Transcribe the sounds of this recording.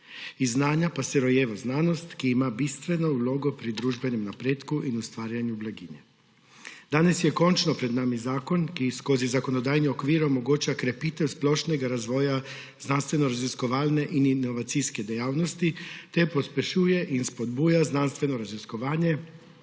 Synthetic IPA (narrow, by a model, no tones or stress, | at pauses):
iznaːɲapasɛɾojeːʋaznaːnost̪kiimabist̪ʋenouloːɡopɾid̪ɾuːʒbɛnemnapɾeːt̪kuʔinust̪ʋaːɾjaɲublaɡiɲɛ | d̪aːnesjɛkont͡ʃnopɾɛd̪naːmizaːkonkiskozizakonod̪aːjniokʋiːɾomoɡoːt͡ʃakɾepiːt̪ɛwsploʃnɛɡaɾazʋoːja | znanst̪ʋenoɾaziskoʋaːlneʔininoʋat̪sijsked̪ejaːwnost̪it̪ɛpospʲjeʃuːjɛʔinspod̪buːjaznanst̪ʋenoɾaziskoʋaːɲe